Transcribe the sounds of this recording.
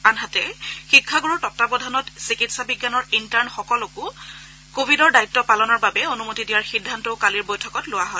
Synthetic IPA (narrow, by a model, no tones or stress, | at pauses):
anɦatɛxikʰːaɡuɹɔɹtɔtːabɔdʱanɔtsikitsabiɡːanɔɹintaɹnxɔkɔlokʊ | kobʱidɔɹdaitːɔpalɔnɔɹbabɛonumotidijaɹxidʱːantoʊkaliɹbojtʰɔkɔtlʊwaɦɔj